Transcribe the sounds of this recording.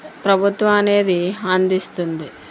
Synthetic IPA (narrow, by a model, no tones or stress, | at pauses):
pɾɐbʱut̪ʋɐmɐne̞ːd̪iɐnd̪ist̪und̪i